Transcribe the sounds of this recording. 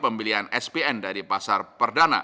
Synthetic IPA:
pəmbiliɦanɛsbeɛndaɾipasarpərdana̰

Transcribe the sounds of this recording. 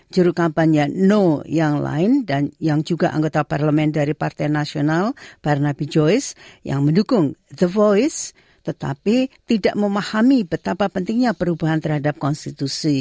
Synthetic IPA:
d͡ʒuɾukampaɲanojaŋla̰ɪndanjaŋd͡ʒuɡaʔa̰ŋɡot̪aparləmɛndaɾipart̪ɛjnasionalb̥arnabid͡ʒoɪsjʔa̰ŋməndukʊŋd̪əvojs | t̪ət̪a̰pit̪idaʔməmahamibət̪apapənt̪ɪŋɲapəɾubaɦant̪ərɦadap̚kɔnst̪it̪usi

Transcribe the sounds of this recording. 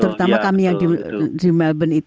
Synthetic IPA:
t̪əɾut̪amakamijaŋdidimɛlbəni

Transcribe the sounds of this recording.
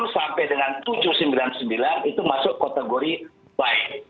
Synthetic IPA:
nsampɛjdəŋant̪ud͡ʒʊhsəmbilansəmbilanit̪umasʊʔkat̪eɡoɾi | baɪk̚

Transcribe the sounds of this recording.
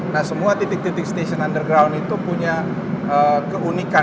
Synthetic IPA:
nahsəmuat̪it̪ɪk̚t̪it̪ɪk̚st̪eʃɔnandərɡɾawnit̪upuɲa | əkəunika

